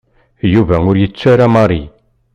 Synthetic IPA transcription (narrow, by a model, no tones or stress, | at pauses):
juvæʊɾjət͡sːæɾamɑɾˤi